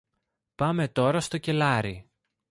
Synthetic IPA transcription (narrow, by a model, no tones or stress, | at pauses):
pɐme̞t̪o̞ɾɐst̪o̞ce̞lɐɾi